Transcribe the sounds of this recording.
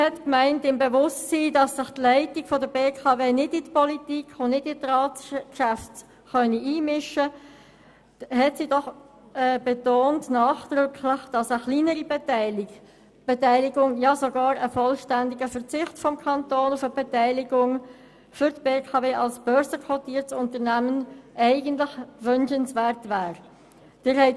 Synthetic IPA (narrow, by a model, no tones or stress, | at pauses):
hɛtkmæɪntɪmbevʊstsiːdɑsːɪχtlæɪtɪɡ̥fɔdəbeːkʰɑveːnɪdɪtpɔlitikχʊnnɪdɪtrɑːtkʃæft | χœniʔiːmɪʃə | hɛtsiːdɔχ | ɛːb̥etoːntnaːχd̥̪ʁʏkʰlɪχd̥ɑsəχliːnəɾib | b̥etɛɪlɪɡʊŋjɑsoɡɑːɾəfɔlʃtændɪɡəfəʁt͡sɪχtfɔmkʰɑntoːnʊfəbɛtɛɪlɪɡʊŋ | fʏɾtb̥eːkʰɑveːʔɑlsb̥œɾzəkʰvɔtiːɾtsʊntəʁnæmənʔɛɪɡəntlɪχvʏnʃənsvɛɾtvæːɾ | d̥ɪɾhɛɪ